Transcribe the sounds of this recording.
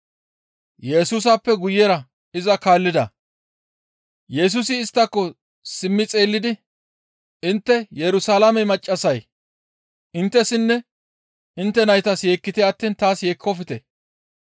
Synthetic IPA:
jɛsuːs̬ɐpːɛɡʊjːɛɾɐ | ɪzɐkaːlːɪd̪ɐ̰ | jɛs̬ʊsɪːst̪ːɐkːɔ | sɪmːɪt͡sʼe̞ːlːɪd̪ɪ | ɪnt̪ːɛjɛɾʊsalamɛmɐt͡ʃʼːɐsɐj | ʔɪnt̪ːɛsɪnːɛ | ɪnt̪ːɛnɐjt̪ɐsje̞ːkːɪt̪ɛɐt̪ːiːnt̪aːsje̞ːkʰːɔfɪt̪ɛ

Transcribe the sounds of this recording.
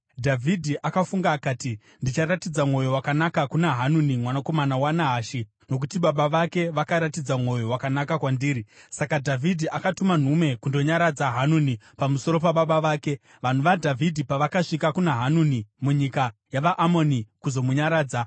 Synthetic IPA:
dʱavʱidʱiʔakafuŋɡaːkaːti | ndit͡ʃaɾatid͡zamŋo̞jo̞wakanakakunaɦanunimwanako̞manawanaɦaʃi | no̞k̬utiɓaɓaʋake̞ʋakaɾatid͡zamŋo̞jo̞wakanakakwandiːɾisakadʱavʱidʱiʔakatuman̤ume̞kundo̞ɲaɾad͡zaɦanunipamuso̞ɾo̞paɓaɓaʋaːke̞ | ʋan̤uʋadʱavʱidʱipaʋakaʂikakunaɦanunimuɲikajaʋaʔamo̞nikuzo̞muɲaɾaːd͡za

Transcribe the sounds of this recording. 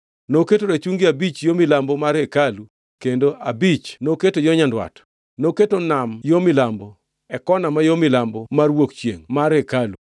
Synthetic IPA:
noketoɾet͡ʃuŋɡɪabit͡ʃjomɪlambɔmaɾekalu | kendoʔabit͡ʃnoketojɔɲandwa̰t | noketonamjomɪlambo | ɛkɔnamajomɪlambɔmarwokt͡ʃjḛŋmaɾekalu

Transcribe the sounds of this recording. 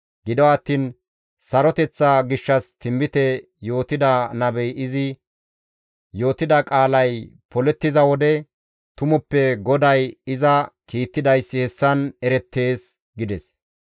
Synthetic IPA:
ɡɪd̪ɔwɐt̪ːiːn | sɐɾɔt̪ɛt͡sːaɡɪʃːɐst̪ʰɪmbɪt̪ɛ | jo̞ːt̪ɪd̪ɐnɐbɛjɪzɪ | jo̞ːt̪ɪd̪ɐkʼaːlɐjpɔlɛt̪ːɪzɐwɔd̪ɛ | t̪ʊmʊpːɛɡɔd̪ɐjɪzɐkiːt̪ːɪd̪ɐjsːɪhɛsːɐnɛɾɛt̪ːe̞ːs | ɡɪd̪ɛs

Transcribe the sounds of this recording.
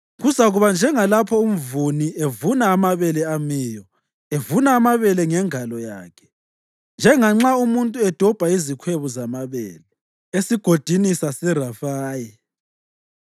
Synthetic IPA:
ɣuzaɣuβand͡ʒʱɛŋalapʰɔum̩vuniʔevunaːmaβɛlɛamiːjɔ | evunaːmaβɛlɛŋɛŋalɔja̰ːkʰɛ̥ | nd͡ʒʱɛŋaŋ͡ǁaumuntʼuɛd̥ʱɔb̥ʱaizikʰweβuzamaβɛ̰ːlɛ | esiɡ̥ʱod̥ʱinisasirafaːji

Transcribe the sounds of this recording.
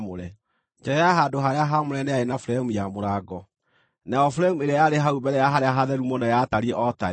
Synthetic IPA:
moɾɛ | d͡ʒɛɛjaɦadoɦaɾeaɦamoɾɛnɛaenafɾɛmujamoɾaɡɔ | naɔfɾɛmueɾeajaɾeɦaubɛɾɛjaɦaɾeaɦaðɛɾumɔnajataɾieʔɔta

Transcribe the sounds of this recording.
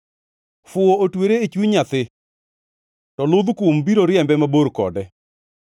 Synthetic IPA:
fʊootweɾeet͡ʃwiɲat̪ɪ | tɔlʊd̪kʊmbiɾoɾɪɛmbɛmaboɾkɔ̰dɛ

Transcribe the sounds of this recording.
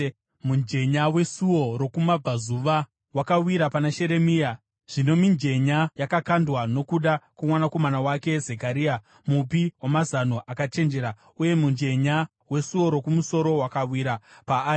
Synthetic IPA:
mund͡ʒe̞ɲawe̞suwo̞ɾo̞kumab͡vʱazuʋa | wakawiɾapanaʃe̞ɾe̞mija | ʐ̥ino̞mind͡ʒe̞ɲajakakandwano̞kuɗakwamwanako̞manawake̞zekaɾia | mup̬iwamazanoʔakat͡ʃe̞nd͡ʒe̞ɾa | uje̞mund͡ʒe̞ɲa | we̞suwo̞ɾo̞kumuso̞ɾo̞wakawiɾapaːi

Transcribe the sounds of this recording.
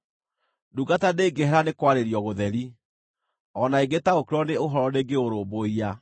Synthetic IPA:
duɡataneːɡeɦɛɾanekwaɾeɾiɔɣoðɛɾi | ɔnaeɡetaokeɾɔneoɦɔɾɔneːɡeoɾoːboia

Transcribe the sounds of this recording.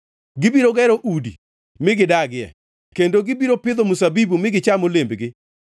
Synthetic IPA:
ɡɪbiɾoɡɛɾoʔudḭ | mɪɡɪdaɡɪɛ̰ | kendoɡɪbiɾopɪd̪omusabibumɪɡɪt͡ʃamolembɡɪ

